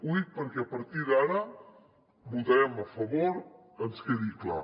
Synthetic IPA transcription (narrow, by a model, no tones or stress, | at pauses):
ujt̪̚pəɾkeɐpɐɾt̪iðaɾa | mut̪ɐɾɛmɐfɐβoɾ | ənskeðikla̰